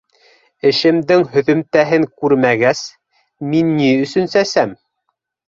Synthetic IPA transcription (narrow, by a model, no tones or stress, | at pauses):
ɘ̆ʃɘ̆md̪ɘŋɦɵ̆ðɵ̆mt̪æɦɘŋkʉɾmæɡæs | minːiɵ̆sɵ̆nsæsæm